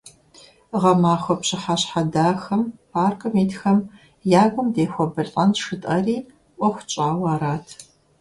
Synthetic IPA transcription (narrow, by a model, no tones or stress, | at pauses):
ʁɐmaːxʷɔpɕɪħaɕħadaːxɐmpʰaːrkʼɐmiːtxɐm | jaːɡʷʊmdeːxʷɔbɨrtʼɐnʂɨtʼɐriː | ʔʷɔxʷt͡ʃʼaːwaːɾaːtʰ